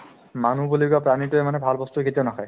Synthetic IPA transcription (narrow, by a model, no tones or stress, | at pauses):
manubuliɡapɹanitʊɛmanɛbʱalbɔst̪uketianakɔj